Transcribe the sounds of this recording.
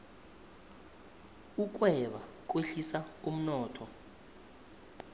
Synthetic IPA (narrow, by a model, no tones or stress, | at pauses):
uk̬wɛɓak̬ʼweɬisak̬ʼum̩nɔːtʰɔ